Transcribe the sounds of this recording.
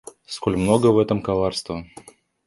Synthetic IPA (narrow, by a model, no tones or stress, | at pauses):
skolʲmnoɡəvɛt̪əmkɐlˠarst̪və